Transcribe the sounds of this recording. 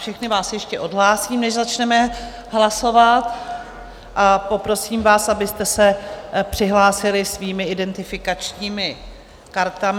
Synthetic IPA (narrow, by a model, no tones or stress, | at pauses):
fʃɛxnɪvaːsjɛʃcɛʔo̞dɦlaːsiːmnɛʃzat͡ʃnɛmɛ | ɦlaso̞vat̪ | ʔapo̞pɾo̞siːmvaːsabɪst̪ɛsɛpr̥ɪɦlaːsɪlɪsviːmɪɪdɛnt̪ɪfɪkat͡ʃɲiːmɪ | kaɾt̪am